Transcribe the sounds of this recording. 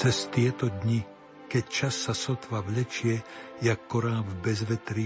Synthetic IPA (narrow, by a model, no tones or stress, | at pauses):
t͡sɛst̪jɛt̪od̪ɲɪ | kɛc̚t͡ʃasːasot̪vavlɛt͡ʃjɛjakːoɾaːvbɛzvɛt̪ɾi